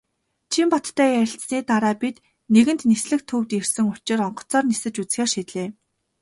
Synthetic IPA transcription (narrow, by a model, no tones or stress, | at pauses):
t͡ɕʰimpɔt̪ʰːæːæɾʲɪ̆ɬt͡sniːt̪aɾaːpit̪ | neɣɘ̆nt̪nisɮɘ̆k̚t̪ʰɵwt̪ersɘ̆ŋʊt͡ɕɪ̆rɔɴɢɞ̥̆t͡sɔːrnisɘ̆t͡ɕut͡sxeːrʃiːt̪ɮeː